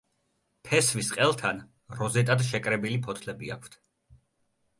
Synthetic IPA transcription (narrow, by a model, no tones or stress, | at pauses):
pʰɛsvisqʼɛlˠt̪ʰan | ɾɔzɛt̪ʼad̪ʃɛkʼɾɛbilipʰɔt̪ʰlɛbia̰kʷʰt̪ʰ